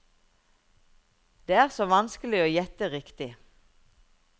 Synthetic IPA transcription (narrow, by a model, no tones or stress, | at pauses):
d̪̥eːæːʁsoːʋɑnskəlɪoːjɛt̪əʁɪkt̪ɪ